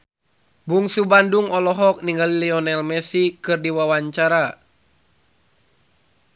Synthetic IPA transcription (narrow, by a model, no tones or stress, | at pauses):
buŋsubanduŋɔlɔɦɔk̚niŋɡalilɛɔnɛlmɛsikɨrdiwawaɲt͡ʃaɾa